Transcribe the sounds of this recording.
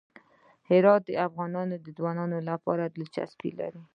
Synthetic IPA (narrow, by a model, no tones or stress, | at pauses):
hɪɾɑt̪̚d̪əafɣɑnɑnod̪əd̪wɑnɑnolapɑ̰ɾad̪əlt͡ʃa̰spḭla̰ɾi